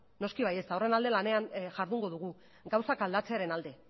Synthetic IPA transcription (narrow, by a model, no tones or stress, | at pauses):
no̞skiβaje̞st̪aore̞nald̪e̞lane̞anʝaɾðuŋɡo̞ð̞uɣu | ɡawsakald̪at͡se̞aɾe̞nald̪e̞